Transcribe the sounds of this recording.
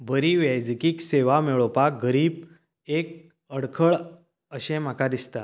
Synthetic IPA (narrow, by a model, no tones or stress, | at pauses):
bəɾiʋjajd͡zkiːkseʋameɭopaɡəɾiːb | ek̚ | əɽkʰəɭ | əɕẽm̤akad̪ist̪a